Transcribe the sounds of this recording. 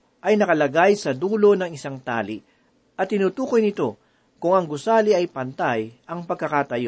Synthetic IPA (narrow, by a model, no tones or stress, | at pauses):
ʔɐjnɐkɐlɐɡajsɐd̪uːlo̞nɐŋɪsaŋt̪a̰ːli | ʔɐt̪ːɪnuːt̪uːko̞jnɪt̪o̞ | kʊŋɐŋɡʊsaːliʔɐjpɐnt̪ajʔɐŋpɐɡ̚kːɐkaːt̪ɐjo